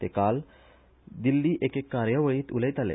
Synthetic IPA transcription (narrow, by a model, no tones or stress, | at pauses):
t̪ekal | d̪ilːiːʔekekːaɾjəʋəɭiːt̪ulejt̪alḛ